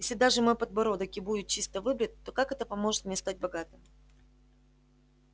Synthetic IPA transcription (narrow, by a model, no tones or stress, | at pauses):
jesʲlʲɪd̪aʐɨmopəd̪bɐɾod̪əkʲɪbudʲɪt̪̚t͡ɕist̪əvɨbɾʲɪt̪̚ʲt̪ːo̞kakɛt̪əpɐmo̞ʐɨt̪mnʲest̪at̚ʲbɐɡat̪ɨm